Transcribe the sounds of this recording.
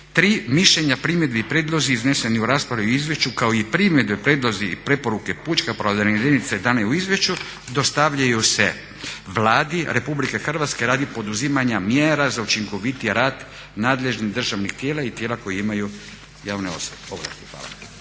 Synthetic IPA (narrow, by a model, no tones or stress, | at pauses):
t̪ɾiːmiʃʎeɲapɾimje̞d̪biipɾeːd̪lˠoziːzne̞se̞niuɾaːspɾaʋiuizʋje̞ʃt͡ʃukaoipɾimed̪bepɾeːd̪lˠo̞ziipɾe̞po̞ɾuke̞put͡ʃkapɾod̪aned̪init̪sed̪aneuizʋje̞ʃt͡ʃu | d̪o̞st̪aʋʎajuse̞̰ | ʋlaːd̪iɾʔe̞publikexr̩ʋaːt̪ske̞ɾaːd̪ipo̞d̪uzimaɲamjeːɾazaut͡ʃiŋko̞ʋit̪iɾaːd̪ | naːd̪le̞ʒnid̪r̩ʒaʋnixt̪jeːlait̪jelako̞jiimaju | jaːʋneo̞̰sobeoʋla̰st̪i̥xʋa̰ːla̰